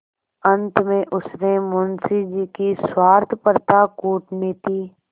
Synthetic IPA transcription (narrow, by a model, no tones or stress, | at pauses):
ə̃nt̪mẽʔʊsnemʊːnsid͡ʒiːkiswaːɾt̪ʰpəɾt̪akuːʈneːt̪iː